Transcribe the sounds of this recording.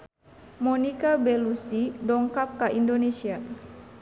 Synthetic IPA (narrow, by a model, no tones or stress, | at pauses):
mɔnikabelusidɔŋkap̚kaʔindonesia